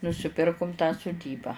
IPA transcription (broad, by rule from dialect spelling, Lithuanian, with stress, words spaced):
nʊsʲɪˈpʲɪrkʊm tɑː sʊˈdʲiːbɑː